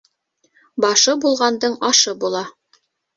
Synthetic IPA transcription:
bɑʃɤbulˠʁɑnd̪ɤɴɑʃɤbulˠɑ

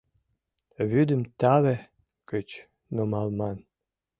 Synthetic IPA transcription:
βyd̪əmt̪ɑβe | kət͡ɕ | nomɑlˠmɑn

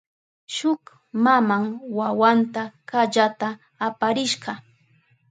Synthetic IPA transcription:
ʃʊk | mamaŋwawant̪akaʎat̪aː | paɾɪʃɢɑ

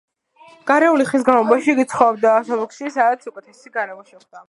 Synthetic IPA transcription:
ɡ̥aɾɛuliχis̬ɡanlˠɔbaʃikʼit̪sʰχɔbd̪asɔbɔkʃisad̪at̪sukʼɛt̪ʰɛsiɡaɾɛmɔʃɛχd̪̥a

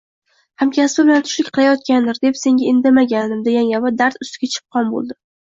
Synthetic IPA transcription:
hamkʲʰasbɪbɪlant̪ʰʊ̥ʃlɪkʲqʰɨlˠajɒt̪̚kʲand̪ɪɾd̪e̞pse̞ŋɡʲaɪnd̪amaɡʲand̪ɪmd̪eɡʲaŋabad̪aɾt̪ʊst̪ɪɡʲat͡ʃʰɪ̥p̚qʰɒnbo̰lˠd̪ɪ

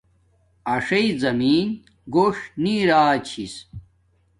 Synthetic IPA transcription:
ɐʂɐizɐmiːn | ɡoːʂniːɾaːt͡ɕʰis

